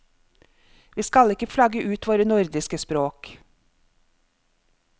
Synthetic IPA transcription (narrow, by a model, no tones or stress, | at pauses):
ʋiːskɑlɪkəfʰlɑɡəʔʉːt̪ʋoːɾənʊɾd̪ɪskəspɾoːk